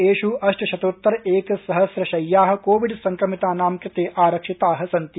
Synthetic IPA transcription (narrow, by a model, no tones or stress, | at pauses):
eːʃuɐʂʈɐʃɐt̪oːt̪ːɐɾeːkɐsɐɦɐsɾɐʃɐjːaːɦɐ̆koːʋiɖsɐŋkɾɐmit̪aːnaːmkɐt̪eːʔaːɾɐkʂit̪aːɦɐ̆sɐnt̪i